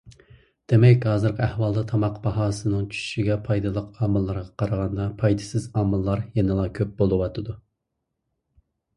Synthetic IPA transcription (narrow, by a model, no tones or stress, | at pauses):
d̪̥emɛkʲhɑːzɨɾqʰəæhwɑlˠd̪ɑt̪ʰɑmɑqbɑɦɑːsɨnɨŋt͡ʃʰy̥y̥ʃiɡʲɛpʰɑjd̪ɨlˠəqɑːmɨlˠːɑɾʁɑqʰɑɾəʁɑnd̪ɑpʰɑjd̪ɨsɪzɑːmɨlˠːɑɾjɛnɨlˠɑkʲʰøp̚bolˠɨwɑt̪ʰɨd̪u